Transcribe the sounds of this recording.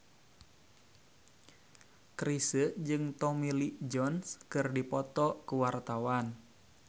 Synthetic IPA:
kɾisəd͡ʒɨŋt̪ɔmilid͡ʒɔnskɨrdipɔt̪ɔkuwart̪awan

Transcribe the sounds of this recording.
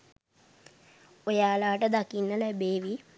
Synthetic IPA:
ojaːlaːʈəd̪akinːəlɛbeːʋi

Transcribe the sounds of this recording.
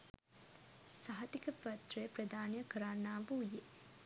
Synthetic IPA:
saɦɐt̪ikɐpɐt̪ɾepɾɐd̪ʱaːnjɐkɐɾaːnːaːbuːjeː

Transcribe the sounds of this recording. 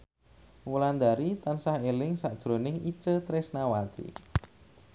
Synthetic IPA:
wuland̪aɾit̪ansahelɪŋsaʔd̥ʒ̥ɾo̤nɪŋit͡ʃət̪ɾɪsnawat̪ḭ

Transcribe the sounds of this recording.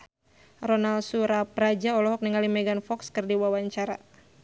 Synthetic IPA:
rɔnalsuɾapɾad͡ʒaɔlɔɦɔk̚niŋalimɛɡanfɔkskɨrdiwawaɲt͡ʃaɾa̰

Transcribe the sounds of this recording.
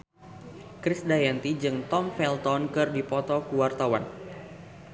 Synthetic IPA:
kɾɪsdajant̪id͡ʒɨŋt̪ɔmfɛlt̪ɔnkɨrdipɔt̪ɔkuwart̪awan

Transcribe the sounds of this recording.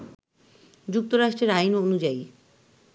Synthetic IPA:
d͡ʑuk̚t̪oɾaʃʈɾeɾajnonud͡ʑaij

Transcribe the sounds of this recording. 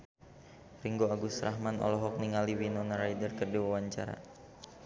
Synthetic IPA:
riŋɡoaɡusɾaɦmanʔɔ̰lɔɦɔk̚niŋaliwinɔnaɾajdərkərdiwawaɲt͡ʃaɾa̰

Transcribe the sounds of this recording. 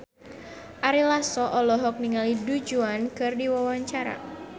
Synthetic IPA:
ʔaɾilasɔʔɔlɔɦɔk̚niŋalidud͡ʒuankɨrdiwawaɲt͡ʃaɾa̰

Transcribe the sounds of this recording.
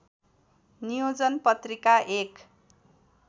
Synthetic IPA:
nijod͡zʌnpʌt̪rikaʔek

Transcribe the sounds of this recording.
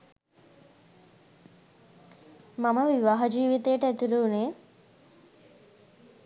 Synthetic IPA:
maməʋiʋaːɦad͡ʒiːʋit̪ejəʈəæt̪iɾuːne

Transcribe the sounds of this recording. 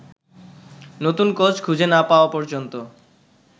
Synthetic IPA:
not̪unkot͡ɕʰkʰud͡ʑʱenapaoapɔɾd͡ʑont̪o

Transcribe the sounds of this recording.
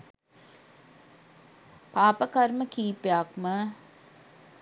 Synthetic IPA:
paːpəkɐɾməkiːpeakmə

